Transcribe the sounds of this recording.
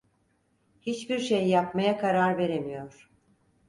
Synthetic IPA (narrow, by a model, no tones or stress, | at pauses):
hit͡ʃbiɾʃejːapmajakʰaɾaɾve̞ɾemijo̞ɾ̥